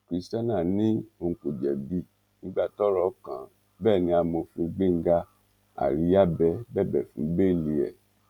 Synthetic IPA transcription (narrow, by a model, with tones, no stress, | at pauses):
kɾi˨˦sta˦nã˦˨nĩ˦o˧ku˨d͡ʒɛ˨bi˦˨ | nĩ˨˦ɡ͡ba˦˨tɔ˦ɾɔ˨˦kã̰˨ | bɛː˦˨nĩ˧˦a˧mo˧fĩ˧ɡ͡be˦˨ŋ̩˦ɡa˧ | a̰˨ɾi˨˦ja˦bɛ˧˦bɛ˦˨bɛ˨fũ˨˦be˦˨li˧ɛ̰˨